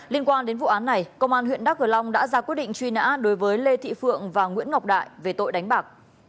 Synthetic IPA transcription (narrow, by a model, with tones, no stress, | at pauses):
li˧ənkwaː˧nɗe˨˦nvṵ˧˨ʔaː˨˦nːa˨˩jkə˧wŋ͡mʔaː˧nɦwḭ˧˨ənɗaː˦˥k̚ʔɨ˧˩la˧wŋ͡mɗa̰ː˧˥zaː˧kwi˦˥ət̚ɗḭ˧˨ŋ̟t͡ɕwi˧na̰ː˧˥ɗo˨˦jvəː˨˦jle˧t̪ʰḭ˧˨fɨ̰˧˨əŋvaː˨˩ŋwḭ˧˥ənŋɔ˨˩k͡p̚ɗa̰ː˧˨jve˨˩t̪o̰˧˨jɗa˨˦ŋ̟ɓaː˨˩k̚